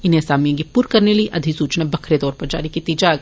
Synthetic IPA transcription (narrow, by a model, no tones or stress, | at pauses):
ɪnẽsaːmijõkipuːɾkɐɾnelieʔɐd̪ʱisuːt͡ʃnabɐkʰɾet̪ɔːɾpɐɾd͡ʒa̰ːɾikit̪iːd͡ʒaːɡ